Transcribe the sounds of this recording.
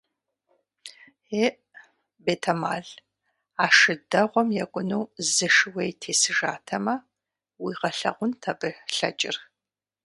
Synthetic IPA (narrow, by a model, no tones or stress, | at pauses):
eːʔ | beːtʰɐma̰ːɮ | aːʂɨdɐʁʷɔmjɛkʷʼʊnuwzɨʂɨwejtʰeːsɨʒa̰ːtʰɐmɐ | wiːʁɐɬɐ̰ʁʷʊntʰɐbɨɬɐ̰t͡ʃʼɪr